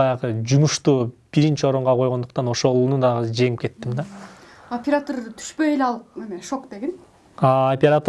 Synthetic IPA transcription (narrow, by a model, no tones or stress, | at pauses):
ɑjɑʁɯd͡ʒumuʃt̪uːb̥iɾint͡ʃio̞ɾuɴʁɑqʰo̞jʁo̞nd̪uqt̪ɑno̞ʃo̞lˠnud̪ɑʁɯd͡ʒe̞ŋip̚ke̞t̪ːimd̪ɑ | opʲeɾat̪ərt̪ʰy̥ʃpø̞jeleɑlˠemiʃokd̪e̞ɡin | ɑopʲeɾat̪